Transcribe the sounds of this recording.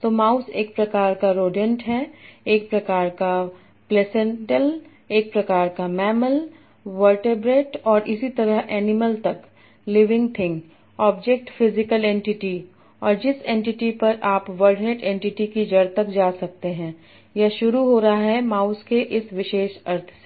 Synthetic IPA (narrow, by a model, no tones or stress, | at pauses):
t̪oːmaːʊseːk̚pɾɐkaːɾkaɾoːɖiə̃ɳʈɦɛeːk̚pɾɐkaːɾka | plɛːsɛ̃ɳʈəl | eːk̚pɾɐkaːɾkamɛːməl | ʋəɾʈebɾeːʈɔːɾʔɪsit̪ɐɾəɦʔɛːnɪməlt̪ɐk | lɪʋɪ̃ŋɡt̪ʰɪ̃ŋɡ | ɔːbd͡ʒek̚ʈfɪzɪkəlẽːɳʈɪʈi | ɔːɾd͡ʒɪsẽɳʈɪʈipɐɾʔaːpʋəɾɖɪneːʈẽːɳʈɪʈikid͡ʒɐɽt̪ɐkd͡ʒaːsɐk̚t̪eɦɛ̃ː | jɐɦʃʊɾuɦoːɾaɦaɦɛmaːʊskeʔɪsʋɪʃeːʃɐɾt̪ʰse